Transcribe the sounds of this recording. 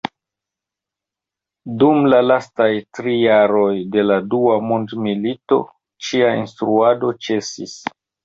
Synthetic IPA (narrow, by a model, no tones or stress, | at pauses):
dumlalastajtɾijaɾo̞jde̞laduamondmilito̞̰ | t͡ʃiaḭnstɾuado̞t͡ʃe̞sḭs